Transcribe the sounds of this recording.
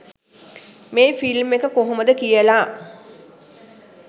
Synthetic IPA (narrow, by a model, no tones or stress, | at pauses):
meːfilmːekəkoɦoməd̪əkijəlaː